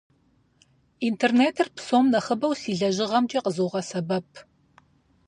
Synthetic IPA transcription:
intʰerneːtʰɨrpʰsoːmnɐχəbɐwsiːɮɐʒɪʁɐmt͡ʃʼiqəzoːʁɐsɐbɐp̚ʰ

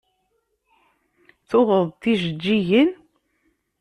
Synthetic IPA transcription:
θʊðəðˤt̪iʒəd͡ʒːiʝən

